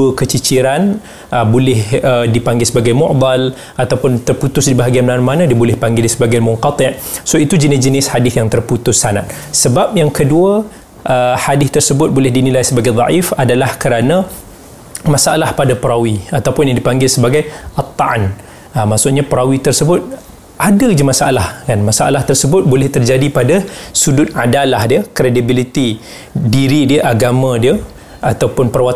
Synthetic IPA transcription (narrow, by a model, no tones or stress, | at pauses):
uəkət͡ʃit͡ʃiɾan | ʔəbolɪhədipaŋɡɪlsəbaɡajmɔ̰ʔd̪al | ʔat̪awpʊnt̪ərput̪ʊsdibaɦaɡianmnanmanãdiəbolɪhpaŋɡɪldisəbaɡajmʊŋqɑt̪ˤɪʔsoit̪ud͡ʒənɪsd͡ʒənɪsħadɪθjaŋt̪ərput̪ʊsːana̰t̪̚ | səbap̚jaŋkəduə | ʔəhadɪθt̪ərsəbʊt̪̚bolɪhdinilajsəbaɡajd̪ˤɑ̰ʔifadalahkəɾanã | mãsaʔalahpadapəɾawiat̪awpʊnjaŋdipaŋɡɪlsəbaɡajət̪ːɑʔan | əmaʔsʊʔɲapəɾawit̪ərsəbʊt̪̚ | ʔadad͡ʒamãsaʔalahkanmasaʔa̰laht̪ərsəbʊt̪̚bolɛht̪ərd͡ʒadipadasudʊt̪̚adalahdiəkɾedibilit̪i | diɾidiəʔaɡamãdiə | at̪awpʊnpərwat̪